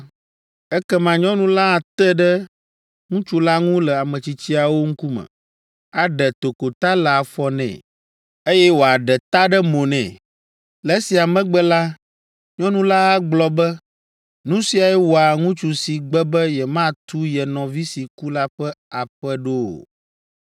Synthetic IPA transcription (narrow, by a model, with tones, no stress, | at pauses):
ɛ˦kɛ˦mã˨ɲɔ̃˦nũ˦la˦a˨t̪ɛ˦ɖɛ˦ | ŋũ˦t͡ʃu˦la˦ŋũ˦lɛ˨a˨mə̃˨t͡ɕi˦t͡ɕi˦a˨wo˦ŋ̩˦ku˦mɛ̰̃˨ | a˨ɖɛ˨t̪o˨ko˨t̪a˦lɛ˨a˨fɔ˨nɛ̰̃˨ | e˦jɛ˦wo˨a˨ɖɛ˨t̪a˦ɖɛ˦mõ˨nɛ̰̃˨ | lɛ˦si˨a˨mɛ̃˦ɡ͡bɛ˦la˦ | ɲɔ̃˦nũ˦la˦a˦ɡ͡blɔ˨˦bɛ˦ | nũ˦si˨˦a˨jɛ˦wo˨a˨ŋũ˦t͡ʃu˨si˨ɡ͡bɛ˦bɛ˦jɛ˨mã˦t̪u˦jɛ˨nɔ̃˨vi˦si˨ku˦la˦ɸɛ˦a˨ɸɛ˦ɖo̰˦˨